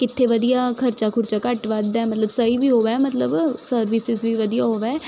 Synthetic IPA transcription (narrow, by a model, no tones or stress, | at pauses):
kɪt̪ʰːeʋəd̪ijaːkʰəɾt͡ʃaːkʰʊɾt͡ʃaːkəʈʋaːt̪d̪aɛːmət̪ləbsəiʋiːɦoːʋaɛmət̪ləbsəɾʋɪsɪzʋiːʋəd̪ijaːɦoːʋaːɛː